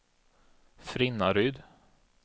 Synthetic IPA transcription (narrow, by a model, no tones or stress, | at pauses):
fɾɪnːaɾʏːd̪